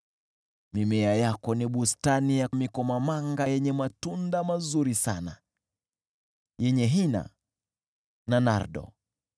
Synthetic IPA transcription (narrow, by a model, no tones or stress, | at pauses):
mimɛajakɔniɓustanijamikɔmamaŋɡajɛɲɛmatundamazuɾisana̰ | jɛɲɛɦina̰ | nana̰ɾɗɔ̰